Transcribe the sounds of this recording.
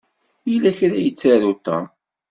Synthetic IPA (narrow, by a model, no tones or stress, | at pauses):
ilæçɾæjət͡sːaɾut̪ːɑ̰